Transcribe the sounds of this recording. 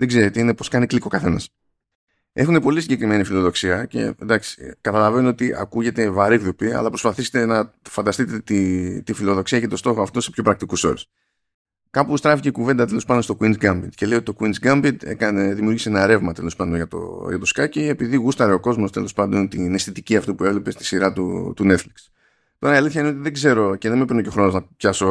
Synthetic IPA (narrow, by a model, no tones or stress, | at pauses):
ðe̞ɡze̞ɾet̪eine̞po̞skɐnikliko̞kɐθe̞nɐ̰s | e̞xune̞po̞lisiɲɟe̞kɾime̞nifilo̞ðo̞ksiɐce̞̰nd̪ɐksi̥kɐt̪ɐlɐve̞nuo̞t̪iʔɐ̰kuʝe̞t̪e̞vɐɾiɣðopiɐ̰lɐpɾo̞spɐθiset̪e̞nɐfɐnd̪ɐst̪it̪e̞t̪it̪ifilo̞ðo̞ksiɐcet̪o̞st̪o̞xoɐft̪o̞se̞pço̞pɾɐk̚t̪ikuso̞̰ɾes | kɐpust̪ɾɐficeikuve̞nd̪ɐt̪e̞lo̞spɐndonst̪o̞kwinzɡɐmbit̪ce̞le̞iot̪i̥t̪o̞kwinzɡɐmbid̪ḛkɐneðimijuɾʝiseenɐɾe̞vmɐt̪e̞lo̞spɐnd̪onʝɐt̪o̰jʝɐt̪o̞skɐcie̞piðiɣust̪ɐɾeoko̞zmo̞st̪e̞lo̞spɐnd̪ont̪inesθit̪iciɐft̪upue̞vle̞pe̞st̪i̥siɾɐt̪ṵt̪une̞t̪fliks | t̪o̞ɾɐiɐliθçɐineot̪iðe̞ɡze̞ɾo̞ce̞ðemepinoco̞xɾo̞nonɐpçɐso̞